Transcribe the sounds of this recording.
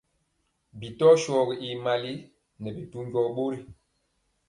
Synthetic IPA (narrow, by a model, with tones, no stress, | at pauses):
bi˨tɔ˦ʃɔː˨ɡi˨ʔi˨ma˨li˦ | nɛ˨bi˨tu˦ɲɟɔ˦ɓo˦ɾi˨